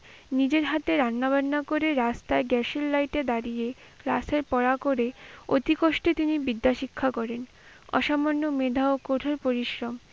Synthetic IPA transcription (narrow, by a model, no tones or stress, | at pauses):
nid͡ʑeɾɦat̪eɾanːabaɾːakoɾeɾast̪aeɡɛʃilːajʈed̪aɾije | kla̰seɾpɔɾakoɾeot̪ikoʃʈet̪inibid̪ːaʃikʰːakɔɾen | ɔ̰ʃamonːomed̪ʱaokoʈʰoɾpoɾiʃɾom